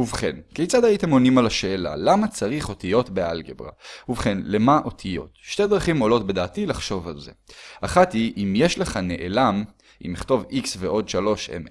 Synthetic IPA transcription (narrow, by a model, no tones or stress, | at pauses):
uvχe̞nkejt͡sad̪ajite̞mo̞nimalaʃe̞ːla̰lamat͡saʁiχo̞tijo̞tbealɡebʁa̰uvχe̞nlemaʔo̞tʰijo̞̰tʃte̞dʁaχimolo̞tbe̞daːtilaχʃo̞valze̞̰aχatiʔimjeʃle̞χane̞̰ʔelam | ʔḭmiχto̞viksveʔo̞dʃalo̞ʃḛm